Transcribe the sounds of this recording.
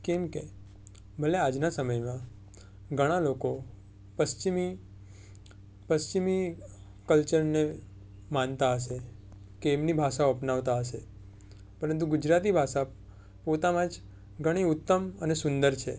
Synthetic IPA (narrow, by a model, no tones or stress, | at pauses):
kemke | bʱəlead͡ʒnasəməjmã | ɡʱəɽ̃aloko | pəst͡ʃimi | pəst͡ʃimi | kəlt͡ʃəɾne | mant̪aəʃe | keːmnibʱaʃaoəpnaʋt̪aɦəʃe | pəɾənt̪̬ũɡʊd͡ʒɾat̪ibʱaʃa | pot̪amãd͡ʒ | ɡʱəɽ̃iʊt̪ːəmənesʊnd̪əɾt͡ʃʰḛ